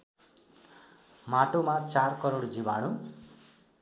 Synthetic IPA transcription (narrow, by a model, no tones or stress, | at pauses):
maʈomat͡sarkʌɾoɽd͡zibaɽ̃u